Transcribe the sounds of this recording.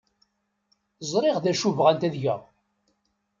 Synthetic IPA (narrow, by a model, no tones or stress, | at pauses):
zˤɾˤɪʁðæʃuvʁænt̪æðʝə̰ʁ